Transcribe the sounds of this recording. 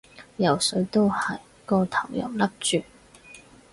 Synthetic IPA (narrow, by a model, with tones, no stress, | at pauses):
jɐ˨˩wsɵ˨˥ɥt̪o˥whɐ˨˩j | kɔː˧t̪ʰɐ˨˩wjɐ̰˨˩wlɐ˥p̚t͡ʃyː˨